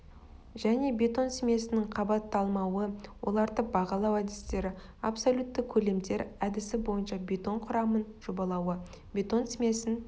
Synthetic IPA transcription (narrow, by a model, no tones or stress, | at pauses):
ʒæne̞bʲe̞t̪o̞nsmʲe̞sɪnɪŋqʰɑbɑt̪ːɑlˠmɑwəwʔo̞̰lˠɑɾt̪əq̚bɑʁɑlˠɑwæd̪ɪst̪e̞ɾɪ | ɑpsolʲut̪ːəkʲʰɵle̞md̪e̞ɾæd̪ɪsɪbo̞jənʃɑbʲe̞t̪o̞ɴqʰʊɾɑmənʒ̥o̞bɑlˠɑwə | bʲe̞t̪o̞nsmʲe̞sɪn